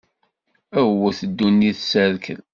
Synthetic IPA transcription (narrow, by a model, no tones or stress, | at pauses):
æwæθəd̪ːunːiθsəɾkə̰ð